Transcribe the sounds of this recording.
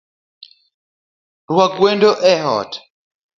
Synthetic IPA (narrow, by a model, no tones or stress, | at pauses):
rwaɡwendɔʔɛɦɔ̰t